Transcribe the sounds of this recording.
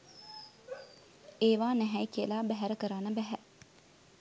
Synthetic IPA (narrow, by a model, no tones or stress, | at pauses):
eːʋaːnɛɦɛjkiəlaːbæɦæɾəkəɾaːnəbæɦæ